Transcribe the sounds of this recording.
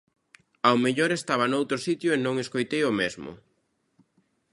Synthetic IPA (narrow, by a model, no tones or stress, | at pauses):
awmeʎoɾest̪aβɐnowt̪ɾosit̪jʊenõŋeskojt̪ejomezmʊ̰